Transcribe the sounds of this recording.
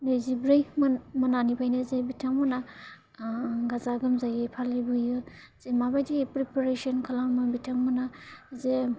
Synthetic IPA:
nɯjzibɾɯjmmananipʰajnazebitʰaŋmɔna | ɡazaɡɯmzajɯpʰalajbujɯ | z̥emabajdipɾipaɾesɔnkʰalamɯbitʰaŋmɔnaze

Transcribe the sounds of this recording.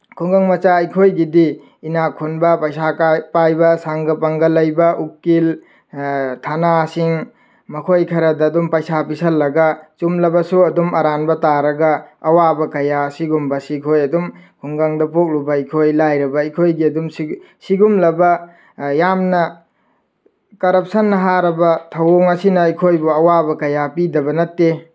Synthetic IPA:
kʰuŋɡaŋmɐt͡ʃaɐjkʰojɡidi | inakʰunbɐpɐjsapajbɐsaŋɡɐpɐŋɡɐlɐjbɐʔukːil | tʰanasiŋ | mɐkʰojkʰɐɾɐdɐːdumpɐjsapisɐlːɐɡɐt͡ʃumlɐbɐsuɐdumɐɾanbɐtaɾɐɡɐːwabɐkɐjasiɡumbɐsikʰojɐdumhuŋɡaŋdɐpok̚lubɐikʰojlajɾɐbɐikʰojɡiɐdumsi | siɡumlɐbɐ | jamnɐ | kɐɾɐp̚sɐnːɐɦaɾɐbɐtʰɐwoŋɐsinɐikʰojbuɐwabɐkɐjapidɐbɐnɐtːe

